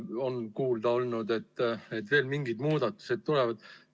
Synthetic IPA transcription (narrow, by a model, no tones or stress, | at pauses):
o̞nkuːld̪ɑo̞lnud̪e̞t̪ːnet̪ve̞ːlmiŋɡid̪muːd̪̥ɑt̪ːˑu̥se̞d̪̥̚t̪ulɛvɑd̪̥